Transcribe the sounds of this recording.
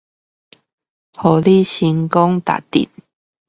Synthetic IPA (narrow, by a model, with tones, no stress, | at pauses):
hɔ˨˩li˦˨ɕi˧ŋkɔ˦ŋt̪a̰˨t̪ḭ˨t̚